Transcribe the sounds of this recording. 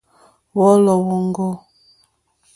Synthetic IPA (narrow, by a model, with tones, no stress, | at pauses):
wɔ˦lɔ˨wo˨ŋ˦ɡo˦